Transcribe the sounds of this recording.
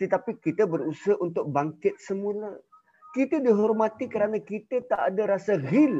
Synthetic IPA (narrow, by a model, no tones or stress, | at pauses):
t̪ət̪apikit̪əbəɾusəʔunt̪ʊk̚baŋkɪt̪̚səmulə | kit̪ədiɦɔrmat̪ikəɾanakit̪ət̪aʔːdaɾasaɣil